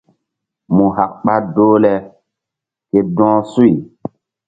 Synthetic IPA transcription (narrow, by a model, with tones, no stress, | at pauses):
mu˨ɦa˨k̚ɓa˦doː˦lɛ˦ | ke˨dɔ̃ː˦su˦i˨